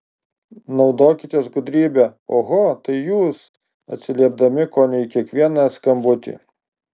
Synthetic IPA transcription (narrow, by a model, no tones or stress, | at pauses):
nɒʊd̪oːkʲɪt̪ʲiɛs̬ɡʊd̪ʲɾʲiːbʲɛoːɣot̪ɐɪjuːs | ɐt̪ʲsʲɪlʲiɛb̚d̪ɐmʲɪkoːnʲɛɪkʲiɛkʋʲiɛnɐskɐmbʊt̪ʲḭː